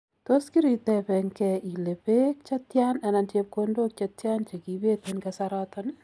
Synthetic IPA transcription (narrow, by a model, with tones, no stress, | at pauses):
to˦ski˦ɾi˨tɛ˨pɛ˨ŋkɛi˨le˨pe˦k̚t͡ʃa˦tjana˨na˨ntep̚kondo˦k̚t͡ʃatja˦nt͡ʃe˨ki˨be˦tenkasaɾɔtɔn